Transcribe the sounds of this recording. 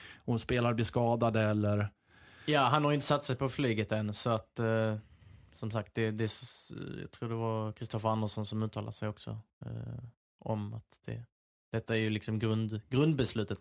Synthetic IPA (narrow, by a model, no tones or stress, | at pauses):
hʊnspeːlaɾb̪lɪskɑːd̪ad̪əɛlːəɾ | jɑːɦanhaɾjɪnt̪əsat̪sɛjpʰɔflyːɡət̪ɛnsɔat̪ | sɔmsak̚t̪̚d̪ɛd̪ɛjɑ̰ɡt̪ʰɾuːɖɛvaɾkʰɾɪst̪ɔfəɾand̪əʂɔnsɔmʉ̟t̪ʰːɑːlad̪əsɛjɔksɔ̰ | ʔɔ̰ma̰t̪d̪̥ɛ̰ | d̪̥ɛt̪ːaæɾjɵlɪksɔmɡɾɵnd̪ɡɾɵnd̪̚bɛslʉ̟ːt̪ət̪